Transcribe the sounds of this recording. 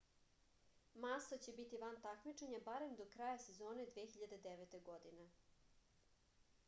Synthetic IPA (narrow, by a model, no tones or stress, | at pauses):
masat͡ɕe̞bit̪iʋant̪akmit͡ʂeɲabaɾe̞md̪okɾaːjase̞zo̞ːne̞d̪ʋeːxiʎad̪ed̪eʋet̪eɡod̪ine